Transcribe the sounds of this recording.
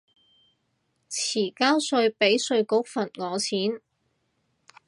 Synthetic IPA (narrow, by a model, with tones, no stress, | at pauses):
t͡sʰiː˨˩kaː˥wsɵ˧ɥpe˨˥jsɵ˧ɥkʊ˨˥k̚fɐ˨˩nŋɔː˨˧t͡sʰiː˨˥n